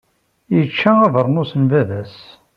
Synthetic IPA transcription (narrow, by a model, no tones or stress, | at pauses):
jət͡ʃːææðəɾˤnusənvæðæs